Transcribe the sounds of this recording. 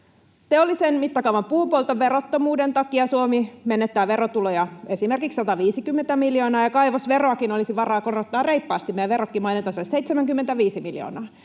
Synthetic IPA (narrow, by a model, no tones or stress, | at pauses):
t̪eolːisenmit̪ːɑkɑuʋɑmpuːpolt̪ɑʋe̞rot̪ːomuːdent̪ɑkiɑsuomimenːet̪ːæːʋe̞rot̪ulojɑe̞simerkikssɑt̪ɑʋiːsikymːent̪æmiljoːnɑːjɑkɑiʋosʋe̞roɑkinolisiʋɑrɑːkorot̪ːɑːrrejpːɑːst̪imeæʋeɾokːimɑinet̪ːɑsoseit̪semæŋkymːent̪æʋiːsimiljo̰ːnɑː